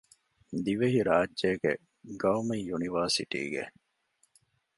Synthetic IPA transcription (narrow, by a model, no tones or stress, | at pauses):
d̪iʋeɦiɾaːd͡ʒd͡ʒeːɡḛ | ɡɐwmɐjjuniʋɐɾsḭʈḭːɡḛ